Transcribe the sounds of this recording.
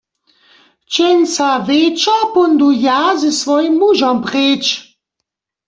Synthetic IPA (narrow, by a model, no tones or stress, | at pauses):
t͡ʃɛnʲsavet͡ʃɔpɔnd̪ujazəsvɔjimːuʒɔmpʁeːt͡ʃ